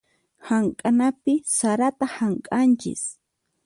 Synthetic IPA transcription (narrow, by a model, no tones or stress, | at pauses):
haŋkʼanapɪsaɾat̪ahaŋkʼant͡ʃɪ̰s